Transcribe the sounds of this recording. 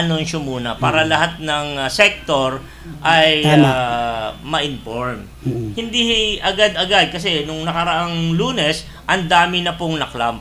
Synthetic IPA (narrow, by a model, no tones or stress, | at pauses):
ɐnonʃomuːnɐpaːɾɐlɐhat̪̚nɐŋsɛk̚t̪oɾ | ʔɐja | mɐʔɪnfoɹm | hɪnd̪ihɪʔɐɡad̪ɐɡad̪̚kɐsɛnʊŋnɐkɐɾɐʔaŋluːnɛs | ʔɐnd̪aːmɪnɐpoŋnɐkla̰m